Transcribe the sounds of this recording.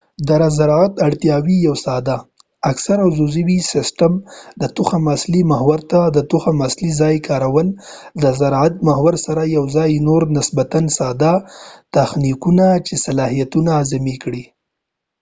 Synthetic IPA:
d̪aɾazaɾɑat̪aɽt̪jɑwijawsɑd̪aː | ksaɾawzuziwisɪsʈamd̪ət̪uxamaslimaɦwaɾt̪ad̪ət̪uxamaslizɑjkʰɑɾawəld̪əzaɾɑat̪̚mahwaɾsaɾajawzɑjnoɾnɪsbat̪ansɑd̪at̪axnikunat͡ʃesalɑɦijat̪unaːzɪmikɽi

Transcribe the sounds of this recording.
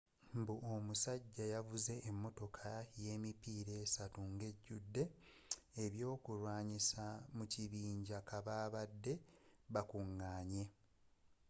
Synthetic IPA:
mbuomusaɟːajavuze̞ʔːmːo̞to̞kʰaje̞ːmipiːɾe̞ːsatuŋɡe̞ɟːudːe̞ː | βjo̞ːkulwaːɲisamuciβiːɲɟakaβaːβadːe̞βakuŋːaːɲe̞

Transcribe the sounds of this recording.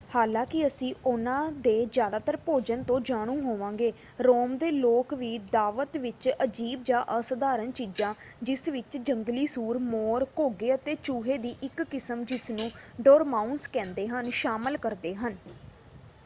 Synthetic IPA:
haːlãːkɪəsĩːʊnãːd̪eːzjaːd̪aːt̪əɾpoːd͡ʒənt̪õːd͡ʒaːɽ̃ũːɦoːʋãːŋɡeː | ɾoːmd̪eːloːkʋiːd̪aːʋət̪ʋɪt͡ʃəd͡ʒiːb̚d͡ʒãːʔəsəd̪aːɾənt͡ʃiːd͡ʒãː | d͡ʒɪsʋɪt͡ʃd͡ʒəŋɡliːsuːɾmoːɾkoːɡeːət̪eːt͡ʃuːɦeːd̪iːʔɪkːɪsəmd͡ʒɪsnũːɖoːɾmaːʊnskɛ̃ːnd̪eːɦənʃaːməlkəɾd̪eːɦən

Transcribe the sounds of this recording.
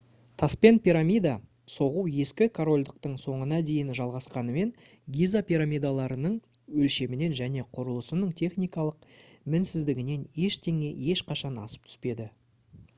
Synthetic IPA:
t̪ʰɑspe̞npʲiɾamʲijd̪ɑ | so̞ʁuwje̞skʲɪkʰoɾo̞lʲd̪əq̚t̪əɴso̞ɴənɑd̪e̞jɪnʒɑlˠʁɑsqɑnəme̞n | ɡʲizapʲiɾamʲijd̪alˠɑɾənəɴ | wɵlʃe̞mɪne̞nʒæne̞qʰʊɾəlˠəsənəɴt̪ʰe̞χnijkɑlˠəq̚mɪnsɪzd̪ɪɡʲɪne̞nje̞ʃt̪ʰe̞ŋe̞je̞ʃqɑʃɑnɑ̰sə̥p̚t̪ʰʏ̥spe̞d̪ɪ

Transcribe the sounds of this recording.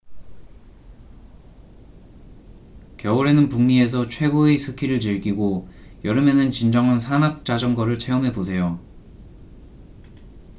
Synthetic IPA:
kjʌuɾe̞nɯnpuŋɲie̞s̬ʰʌt͡ɕʰwe̞ɡoesʰɯkʰiɾɯɭt͡ɕɯɭɡiɡojʌɾɯmenɯnt͡ɕind͡ʑʌŋansʰanak̚t͡ɕ͈ad͡ʑʌŋɡʌɾɯɭt͡ɕʰe̞umɦe̞bos̬ʰe̞jo

